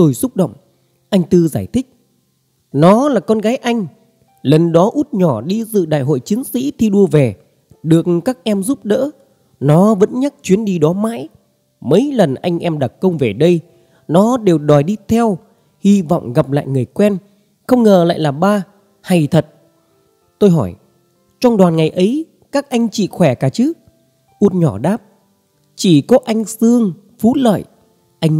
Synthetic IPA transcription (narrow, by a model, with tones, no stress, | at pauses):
t̪o˨˩jsʊ˦˥k͡p̚ɗə̰˧˨wŋ͡m | ʔa˧jŋ̟t̪ɨ˧zaː˧˩jt̪ʰï˦˥k̚ | nɔ˨˦laː˨˩kɔ˧nɣaː˨˦jʔa˧jŋ̟ | lə˨˩nɗɔ˨˦ʔu˦˥t̚ɲɔ˧˩ɗi˧zɨ̰˧˨ɗa̰ː˧˨jɦo̰˧˨jt͡ɕï˨˦ŋsḭ˧˥t̪ʰi˧ɗu˧əve˨˩ | ɗɨ˨˩ək̚kaː˦˥k̚ʔɛ˧mzu˦˥p̚ɗə̰ː˧˥ | nɔ˨˦və̰˧˥nɲa˦˥k̚t͡ɕwi˨˦ənɗi˧ɗɔ˨˦ma̰ː˧˥j | mə˨˦jlə˨˩nʔa˧jŋ̟ʔɛ˧mɗa˨˩t̚kə˧wŋ͡mve˨˩ɗə˧j | nɔ˨˦ɗe˨˩wɗɔ˨˩jɗi˧t̪ʰɛ˧w | hi˧vɔ̰˧˨wŋ͡mɣa˨˩p̚la̰ː˧˨jŋɨ˨˩əjkwɛ˧n | xə˧wŋ͡mŋəː˨˩la̰ː˧˨jlaː˨˩ɓaː˧ | ha˨˩jt̪ʰə˨˩t̚ | t̪o˧jɦɔ˧˩j | t͡ɕɔ˧wŋ͡mɗwaː˨˩nŋa˨˩jʔə˨˦j | kaː˦˥k̚ʔa˧jŋ̟t͡ɕḭ˧˨xwɛ˧˩kaː˧˩t͡ɕɨ˦˥ | ʔu˦˥t̚ɲɔ˧˩ɗaː˦˥p̚ | t͡ɕi˧˩kɔ˨˦ʔa˧jŋ̟sɨ˧əŋ | fu˨˦lə̰ː˧˨j | ʔa˧jŋ